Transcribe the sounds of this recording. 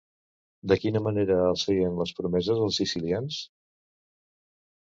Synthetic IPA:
d̪əkinəməneɾəːlˠsɣiənləspɾumɛzəzəlˠsisilians

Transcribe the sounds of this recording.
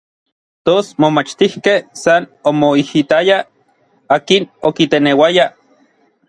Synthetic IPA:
t̪osmomat͡ʃt̪ihkehsanomoihit̪aja | aːkinokit̪enewaja

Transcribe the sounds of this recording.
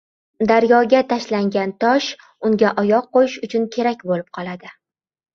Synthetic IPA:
d̪aɾjɒɡʲat̪ʰaʃlaŋɡʲant̪ʰɒʃ | ʊŋɡʲaʔɒjɒq̚qːojɪʃʊt͡ʃʰʊnkʲʰe̞ɾakʲbolɪp̚qʰɒlˠad̪ɪ

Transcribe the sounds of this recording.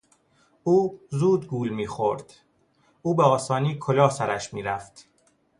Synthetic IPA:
uːzuːd̪ɡuːlmiːxoɾd̪̥ | ʔuːbeɒːsɒːniːkʰolɒːsæɾæʃmiːɾæft̪

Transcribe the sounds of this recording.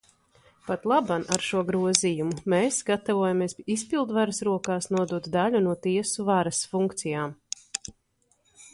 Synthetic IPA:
pat̪lˠabanʔaɾʃuɔɡɾuɔzijumumeːsɡat̪avuɔjamiɛsispilˠd̪vaɾɐsɾuɔkaːsnuɔd̪uɔt̪d̪alʲunuɔt̪iɛsuvaɾɐsfuŋkt̪sijaːm

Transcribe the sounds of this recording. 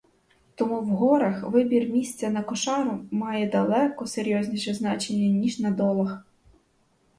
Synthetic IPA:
t̪ɔmuwɦɔɾɐxʋɪbʲirmʲisʲt͡sʲɐnɐkɔʃɑɾʊmɑjɛd̪ɐlˠɛkɔseɾʲjɔzʲnʲiʃɛznɑt͡ʃenʲːɐnʲiʒnɐd̪ɔlˠɐx

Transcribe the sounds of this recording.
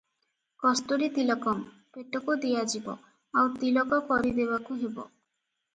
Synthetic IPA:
kɔst̪oɾit̪ilɔkɔm | peʈokod̪ijad͡ʒibɔ̰ | awt̪ilɔkɔkɔɾid̪ebakuɦebɔ̰

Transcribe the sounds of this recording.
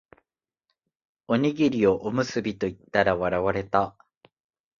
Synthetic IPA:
o̞ɲ̟iɡʲiɾʲio̞ʔomɯ̟sɨbʲit̪o̞it̪ːaɾaβaɾaβaɾe̞t̪a

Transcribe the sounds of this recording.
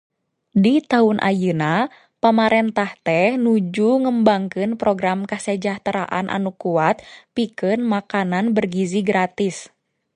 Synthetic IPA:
dit̪aʊnʔa̰jɨna | pamaɾɛnt̪aht̪ɛhnud͡ʒuŋəmbaŋkɨnpɾɔɡɾamkəsəd͡ʒaht̪ɾa̰ʔa̰nʔa̰nukuat̪̚pikɨnmakananbərɡiziɡɾat̪is

